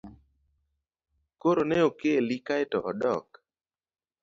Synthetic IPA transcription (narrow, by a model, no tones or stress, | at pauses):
koɾonɛokelikaɪtɔʔɔdɔ̰k